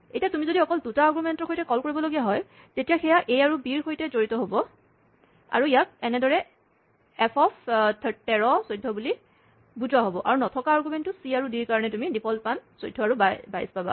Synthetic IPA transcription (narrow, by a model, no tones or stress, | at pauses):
etijatumizodiɔkɔldutaːɡumɛntɔxojtɛkɔlkoɹibɔloɡijaɦɔj | tetijaxɛjaʔejaɹubiɹxʰojtɛzoɹitɔɦobɔ | a̰ɹuijak̚ɛnɛdɔɹɛ | ɛpʰɔpʰtʰtɛɹɔsojdʱːɔbuli | buzwaɦobɔʔaɹunɔtʰɔkaːɹɡumɛntʊsiaɹudiɹkaɹɔnɛtumidipʰɔlpansojdʱɔaɹubaba̰jspaba̰